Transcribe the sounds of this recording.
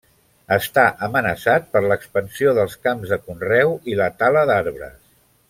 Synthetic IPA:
əst̪aʔəmənəsat̪̚pəɾləkspənsioðəlˠskamzðəkunrɛwilət̪aləðaɾβɾə̰s

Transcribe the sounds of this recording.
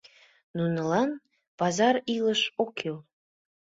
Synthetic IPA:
nunɤ̆lɑn | pɑzɑɾiləʃokel

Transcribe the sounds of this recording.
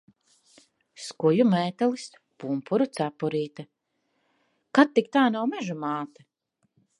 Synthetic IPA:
skujumɛːt̪alis | pumpʰuɾut̪sapuɾiːt̪a | kat̪ːik̚t̪aːnawmɛʒumaːt̪a

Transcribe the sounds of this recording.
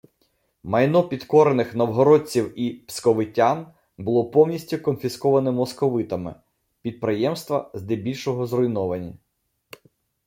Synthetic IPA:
mɐjnɔpʲid̪kɔɾenɪxnɐwɦɔɾɔd̚ʲt͡sʲiwipskɔʋɪtʲːan | bʊlˠɔpɔwnʲisʲtʲʊkɔnfʲiskɔʋɐnɛmɔskɔʋɪt̪ɐmɪ̰ | pʲid̪̚pɾɪjɛmst̪ʋɐzd̪ɛbʲilʲʃɔɦɔzrɔjnɔʋɐnʲɐ

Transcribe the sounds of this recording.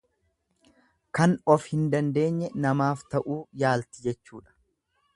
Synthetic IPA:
kɐnɔfhɪnd̪ɐnd̪e̞ːɲːɛnɐmaːft̪ɐʔuːjaːlt̪ɪd͡ʒɛt͡ʃːuːᶑɐ̥

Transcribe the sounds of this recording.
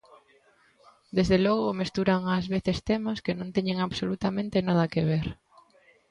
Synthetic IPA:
d̪ezðelɔɣomest̪uɾaŋazβeθest̪emaskenõnt̪ɛɲẽŋaβsolut̪amẽnt̪ɪnað̞ɐkeβ̞eɾ

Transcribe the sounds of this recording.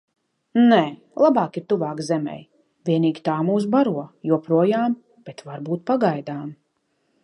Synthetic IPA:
nɛː | lˠabaːkiɾt̪uvaːkzɛmɛ̰j | vʲiɛniːɡʲit̪aːmuːs̬baɾuɔjuɔpɾuɔjaːm | b̥ɛt̪vaɾbuːt̪̚paɡajd̪aːm

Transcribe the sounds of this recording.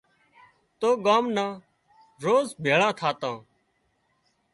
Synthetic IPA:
t̪oːɠaːmnãː | ɾoːzbʱeːɭãːt̪ʰaːt̪ãː

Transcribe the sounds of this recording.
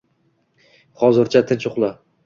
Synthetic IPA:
χɒzɪɾt͡ʃʰat̪ʰɪnt͡ʃʰʊχlˠa

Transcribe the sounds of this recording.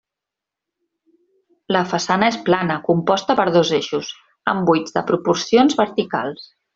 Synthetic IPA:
ləfəsanəesplanəkumpɔst̪əpəɾðozeʃuz | ə̰mbujd͡zðəpɾupuɾsionzβəɾt̪ika̰lˠs

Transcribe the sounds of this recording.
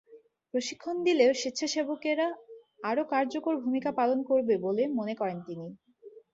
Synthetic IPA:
pɾoʃikʰːond̪ileoʃit̪ːɕʰaʃebokeɾa | aɾokaɾd͡ʑokoɾbʱumikapalonkoɾbebolemonekɔɾent̪ini

